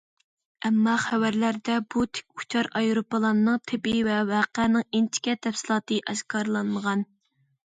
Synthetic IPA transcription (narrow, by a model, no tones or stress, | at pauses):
ɛmːɑχæwæɾlæɾd̪ɛbut̪ʰe̥kʲu̥t͡ʃʰɑɾɑjɾopəlˠɑnnːɨŋt̪ʰɪpɪvɛwɑːqɛnɪŋint͡ʃ̪ʰɪ̥kʲɛt̪ʰɛfsɨlˠɑːt̪ɨʔɛʃkʰɑɾlˠɑnməʁɑn